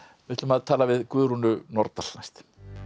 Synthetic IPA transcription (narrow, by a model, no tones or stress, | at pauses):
vɪht̪ɪlʏmaðt̪ʰaːlavɪðkvʏːɾunʏnɔɾt̪al̥najst̪